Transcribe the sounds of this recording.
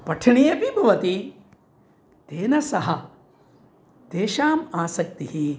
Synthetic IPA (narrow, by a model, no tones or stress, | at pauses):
pɐʈʰɐɳijɐpibʱɐʋɐt̪i | t̪eːnɐsɐɦɐ | d̪eːʃaːmaːsɐk̚t̪iɦi